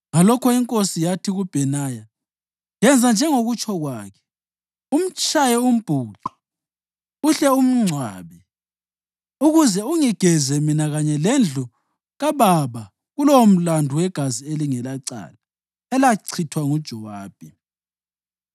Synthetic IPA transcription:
ŋalɔkʰɔiŋkʼosijatʰiɣub̥ʱɛnaja | jɛnd͡zʱand͡ʒʱɛŋoɣut͡ʃʰʼɔɣwaːkʰɛ̥ | um̩t͡ʃʼajɛum̩b̥ʱuːǃɔ̥ | uɬɛum̩ŋ͡ǀʱwa̰ːβɛ | uɣuzɛuŋiɡ̥ʱɛzɛminaɣaɲɛlɛnd͡ɮʱu | ɣaβaβa | ɣulowm̩landʱuwɛɡ̥ʱazieliŋɛlaǀa̰la | ɛlaǀʰitʰwaŋud̥ʒ̥ʱɔwaːb̥ʱi

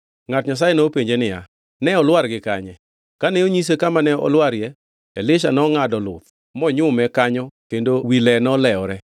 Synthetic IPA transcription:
ŋatɲas̬ajenopeɲd͡ʒenɪja̰ | nɛɔlwaɾɡɪkaɲɛ | kanɛoɲis̬ekamanɛɔ̰lwaɾjɛ | elɪʃanɔŋadɔlʊt̪̚ | mɔɲʊmɛkaɲɔkendowilɛnɔlɛɔɾɛ

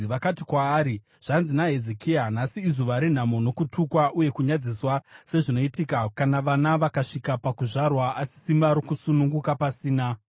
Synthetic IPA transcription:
ʋakatikwaːɾi | ʐ̥anzinaɦe̞zekʰianasiːzuʋaɾin̤amono̞kutʰukwaʔuje̞kuɲad͡ziswase̞ʐino̞itikakanaʋanaʋakaʂikapakuʐarwaasi̥simaɾokusunuŋɡukapasiːna

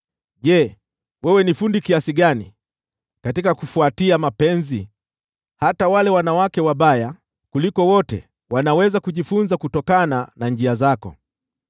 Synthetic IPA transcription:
ʄɛ | wɛwɛnifundikiasiɠanḭ | katikakufuatiamapɛnzi | hatawalɛwanawakɛwaɓaja | kulikɔwɔtɛ̰ | wanawɛzakuʄifunzakutɔkananand͡ʒiazakɔ̰

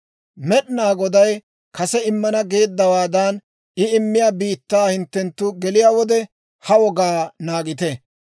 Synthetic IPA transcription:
mɛɗnaːɡɔd̪ɐj | kɐsɛɪmːɐnɐɡe̞ːd̪ːɐwaːd̪ɐn | ɪɪmːɪjaːbiːt̪ːaːhɪnt̪ːɛnt̪ːʊɡɛlɪjaːwɔd̪ɛ | hɐwɔɡaːnaːɡɪt̪ɛ

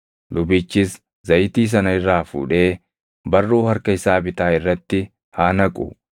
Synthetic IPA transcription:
lʊbɪt͡ʃːɪs | zɐjɪt̪iːs̬ɐnɐɪrːaːfṵːᶑe̞ː | bɐrːoːhɐɾkɐɪsaːbɪt̪aːɪrːɐt̪ːɪ | haːnɐkʼʊ̰

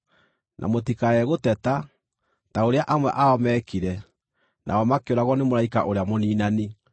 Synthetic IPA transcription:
nʔa̰motikaɛɣotɛta | taoɾeaʔamwɛ̰ʔaɔmɛkiɾɛ | nʔa̰ɔmakeoɾaɣwɔnemoɾaika̰ʔoɾeamoniːnani

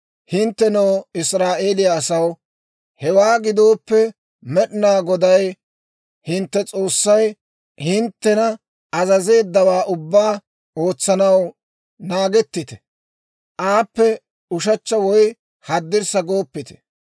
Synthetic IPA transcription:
hɪnt̪ːɛnɐwɪsɾaːʔeːlɪjɐːsɐw | hɛwaːɡɪd̪o̞ːpːɛ | mɛɗɪnaːɡɔd̪ɐj | hɪnt̪ːɛt͡sʼo̞ːsːɐj | hɪnt̪ːɛnɐ | ɐzɐze̞ːd̪ːɐwaːʔʊbːaː | o̞ːt͡sːɐnɐw | naːɡɛt̪ːɪt̪ɛ̥ | ʔaːpːɛ | ʊʃɐt͡ʃːɐwɔj | hɐd̪ːɪɾsɐɡoːpːɪt̪ɛ̥

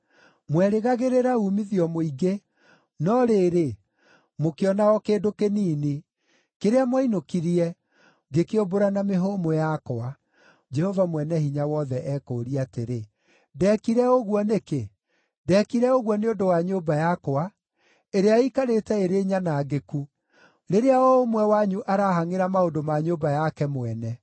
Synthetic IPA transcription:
mwɛɾeɣaɣeɾeɾaumiðiɔmoiɡe | nɔɾeːɾe | mokeɔnaɣɔkeːdokeniːne | keɾeamwainokiɾiɛ | ɡekeoboɾanameɦomojakoa | d͡ʒɛhɔvamwɛnɛhiɲawɔðɛʔɛːkoːɾiateɾe | dɛkiɾɛoɣwɔneke | dɛkiɾɛoɣwɔneondowaɲobajakoa | eɾeaikaɾetɛeɾeɲanaːɡeku | ɾeɾeaɔomwɛwaɲuʔaɾaɦaŋeɾamaodomaɲobajakɛmwɛnɛ

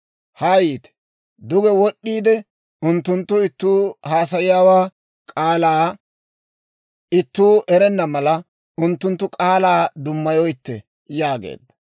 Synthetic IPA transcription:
haːjiːt̪ɛ̥ | d̪ʊɡɛwɔɗːiːd̪ɛ | ʊnt̪ːʊnt̪ːʊɪt̪ːuːhaːsɐjɪjaːwaː | kʼaːlaː | ɪt̪ːuːʔɛɾɛnːɐmɐlɐ | ʊnt̪ːʊnt̪ːʊkʼaːlaːd̪ʊmːɐjɔjɪt̪ːɛ | jaːɡḛːd̪ːɐ

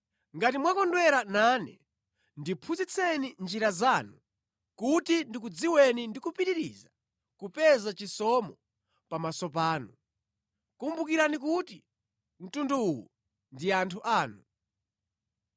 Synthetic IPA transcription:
ŋɡatimwakɔndwɛɾananɛ̰ | ndipʰuzit͡sʰɛnind͡ʒiɾazaːnu | kutindikud͡ziwɛnindikupiɾiɾḭza | kupɛzat͡ʃisɔmɔ | pamasɔpaːnu | kumbukiɾanik̬uti | m̩tunduːwṵ | ndiantʰuʔaːnu

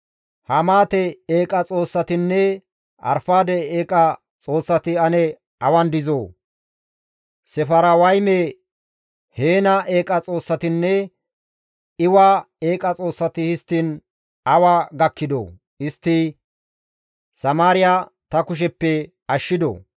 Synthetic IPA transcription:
hɐmaːt̪ɛeːkʼɐt͡sʼo̞ːsːɐt̪ɪnːɛ | ɐ̰ɾfaːd̪ɛeːkʼɐ | t͡sʼo̞ːsːɐt̪ɪɐnɛ | ɐwɐnd̪ɪzoː | sɛfɐɾɐwɐjmɛ | heːnɐeːkʼɐt͡sʼo̞ːsːɐt̪ɪnːɛ | ɪwaː | e̞ːkʼɐt͡sʼo̞ːsːɐt̪ɪhɪst̪ːiːn | ɐwaːɡɐkːɪd̪o̰ː | ɪst̪ːɪ | sɐmaːɾɪja | t̪ɐkʊʃ̬ɛpːɛ | ɐʃːɪd̪o̰

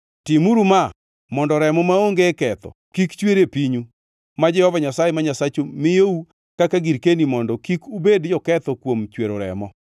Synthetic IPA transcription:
timuɾuma | mɔndɔɾɛmɔmaoŋɡekɛt̪ɔ̰ | kikt͡ʃweɾepiɲu | mad͡ʒɛhɔvaɲasajemaɲasat͡ʃomɪjou | kakaɡiɾkenimɔndɔkikubedd͡ʒɔkɛt̪ɔkwomt͡ʃweɾoɾɛ̰mɔ

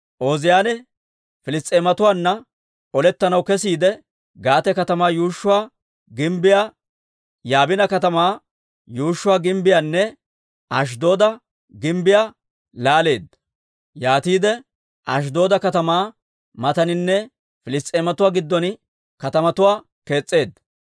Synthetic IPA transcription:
ʔoːzɪjaːnɛ | fɪlɪst̪ʼeːmɐt̪ʊwaːnːɐ | ɔlɛt̪ːɐnɐwkɛs̬iːd̪ɛ | ɡaːt̪ɛkɐt̪ɐmaːjuːʃːʊwaː | ɡɪmbɪjaː | jaːbɪnɐkɐt̪̬ɐmaː | juːʃːʊwaːɡɪmbɪjaːnːɛ | ʔɐʃ̬d̪o̞ːd̪ɐ | ɡɪmbɪjaː | laːle̞ːd̪ɐ | jaːt̪iːd̪ɛ | ʔɐ̰ʃ̬d̪o̞ːd̪ɐkɐt̪ɐmaː | mɐt̪ɐnɪnːɛ | fɪlɪst̪ʼeːmɐt̪ʊwaːɡɪd̪ːɔn | kɐt̪ɐmɐt̪ʊwaː | ke̞ːt͡sʼːe̞ːd̪ɐ

